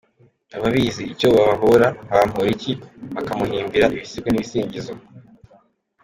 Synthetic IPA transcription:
aβaβiziicoβaβaɦoɾaaβam̥hoɾiciβakamuɦiːmbiɾaʔiβisibweniβisiːɲɟizo

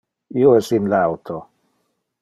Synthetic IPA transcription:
ioɛsinlawt̪ʰo

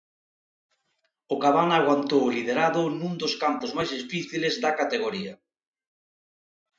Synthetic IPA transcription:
ʊkaβanaɣwant̪owlið̞eɾaðʊnũŋd̪oʊskampʊzmajzðisfiθilezðakat̪eɣoɾia

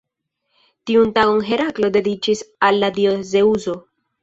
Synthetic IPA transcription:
tiuntaɡo̞ŋɦe̞ɾaklo̞de̞dit͡ʃisalːadioze̞uzo̞

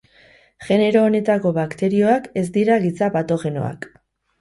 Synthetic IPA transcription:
ʝe̞ne̞ɾo̞ːne̞t̪ako̞βakt̪e̞ɾio̞ake̞zd̪iɾaɣit͡sapat̪o̞xe̞no̞̰a̰k

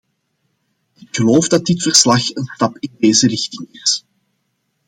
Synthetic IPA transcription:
ɪkxəloːwfdɑt̚dɪtfərslɑxənstɑpɪndeːzərɪxtɪŋɪs

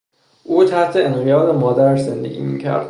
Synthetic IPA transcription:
ʔuːt̪ʰæht̪ʰeenɢijɒːd̪emɒːd̪æɾʃze̞nd̪e̞̰ɡʲḭːmḭːcʰæ̰ɾd̪̥

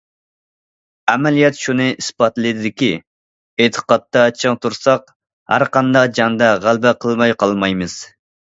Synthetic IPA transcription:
æmɛlijɛt̪ʃunɨʔispɑt̪lˠɨd̪ɪd̪ɪkʲi | et̪ʰə̥qɑt̪ːɑt͡ʃʰɨŋt̪ʰuɾsɑq | hæ̰ɾqɑnd̪ɑqd͡ʒɑŋd̪ɑʁælbɛqʰəlˠmɑjqʰɑlˠmɑjmɨz̥

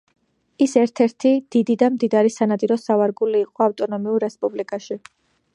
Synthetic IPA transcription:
isɛɾt̪ʰɛɾt̪ʰid̪̥id̪id̪amd̪id̪aɾisanat̪ʼiɾɔsavaɾɡuliːqʼɔaft̪ʼɔnɔmiuɾːɛspʼublikʼaʃi

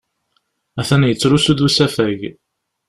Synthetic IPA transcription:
æθænjət͡sːɾusuðusæfæʝ

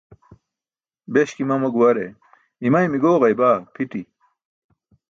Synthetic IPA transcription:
beɕkimɐmɐɡuwɐɾe | imɐjmiɡoːʁɐjbaːpʰit̪i

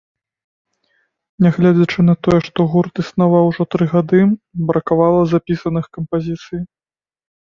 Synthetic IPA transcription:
nʲɛɣlʲad͡zʲɐt͡ʂɨnɐt̪ɔjɛʂt̪ɔɣurt̪isnavawʐɔt̪ɾɨɣad̪ɨbɾɐkavalˠɐzapʲisɐnɨxkɐmpazʲit̪sɨj

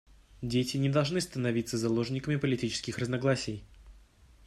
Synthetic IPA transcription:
dʲetʲɪnʲɪd̪ɐlˠʐnɨst̪ənɐvʲit̪səzɐlˠo̞ʐnʲɪkəmʲɪpəlʲɪtʲit͡ɕɪ̥skʲɪxrəznɐɡlˠasʲɪj

